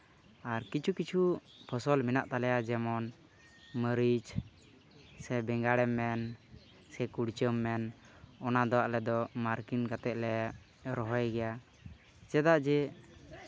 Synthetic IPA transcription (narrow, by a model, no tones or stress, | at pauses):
aɾkit͡ʃʰukit͡ʃʰu | pʰɔsɔlminaʔt̪alɛjad͡ʒɛmɔn | məɾid͡ʒ | sɛbɛŋɡaɽɛmːɛn | sɛkuɽt͡ʃəmːɛn | ɔnad̪ɔwaʔlɛd̪ɔmaɾkinkat̪ɛʔ̪̚lɛ | ɾɔɦɔjɡɛja | t͡ʃɛd̪aʔd͡ʒɛ